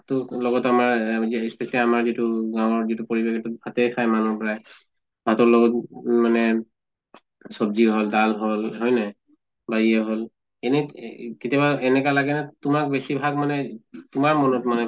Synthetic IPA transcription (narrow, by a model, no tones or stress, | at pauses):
tʊlɔɡɔtamaɹɛspesialiamaɹzituɡãwɔɹzitupoɹibekɛtubʱatejkʰajmanɔɹpɔɹaj | bʱatɔɹlɔɡɔtmanɛ | sɔb̚ziɦoldalɦolɦɔjna | baɹiɛɦol | enikitiabaɛnɛkalaɡɛnatʊmak̚besibʱaɡmanɛtʊmaɹmɔnɔtmanɛ